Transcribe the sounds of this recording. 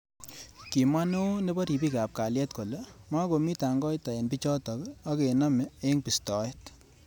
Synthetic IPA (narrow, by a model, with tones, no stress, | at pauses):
ki˨ma˦no˦ne˦ba˦ɾi˨bi˦ka˨p̚ka˨ljɛ˦tko˨le˦ma˦ko˨mi˦ta˨ŋɡɔ˦jta˨e˨npi˦t͡ʃɔ˦tɔ˨ka˦ke˨na˦mee˦ŋpi˨stɔ˨˦je˦t